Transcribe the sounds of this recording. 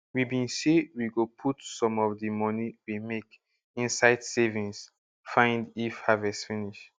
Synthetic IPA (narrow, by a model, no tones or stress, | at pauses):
wibĩnsewiɡopʰutsɔ̃mɔfdəmɔniwimek | ĩnsaɪdsevĩŋs | fãɪ̃ndifhavɛstfiniʃ